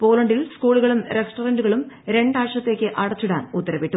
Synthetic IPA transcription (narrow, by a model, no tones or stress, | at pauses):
po̞ːlɐɳɖilskuːɭuɣɐɭumɾesʈorɐɳɖuɣɐɭumɾe̞ɳɖaːʂɐt̪ːe̞ːkʲːɨʔɐɽɐt͡ɕːuɽa̰ːnut̪ːɐɾɐʋiʈːu